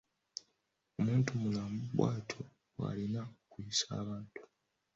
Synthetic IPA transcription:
o̞muːntumulambwa̰ːtʰo̞ | wa̰linaokujisa̰ːβaːntu̥

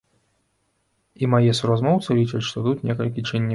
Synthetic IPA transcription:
imajɛsuɾazmɔwt̪sɨlʲit͡ʂɐt͡sʲʂt̪ɔt̪ut̪nʲɛkɐlʲk̬ʲit͡ʂɨnʲːi

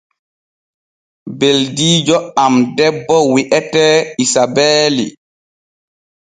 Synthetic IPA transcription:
beldiːd͡ʒɔamdɛbːɔwiʔɛtɛisabɛːlḭ

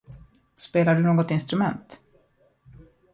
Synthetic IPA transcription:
speːlaɖɵnoːɡɔt̪ɪnst̪ɾɵmɛnt̪

